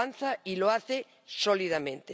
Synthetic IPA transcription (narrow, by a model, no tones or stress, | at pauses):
an̟θailoaθe | soliðamẽnt̪e